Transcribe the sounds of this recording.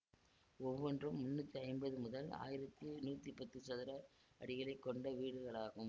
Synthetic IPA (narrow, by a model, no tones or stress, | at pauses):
ɔʋːɔndrɯmːʊnːɯt̪ːiɐɪmbɐðɯmʊðɐla̰ːjɪɾɐt̪ːɯnuːt̪ːipɐt̪ːɯsɐðɪɾɐ | ɐɽɪɣɐɭɐɪkːɔɳɖɐʋiːɽɯɣɐɭaːɣɯm